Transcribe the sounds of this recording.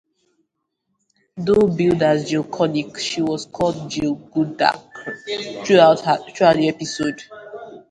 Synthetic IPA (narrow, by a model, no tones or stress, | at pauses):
dobildazd͡ʒikʰɔnikʃiwɔskʰɔlˠd̚d͡ʒiɡuda̰kθɹuaʊttɹuaʊdiɛpisod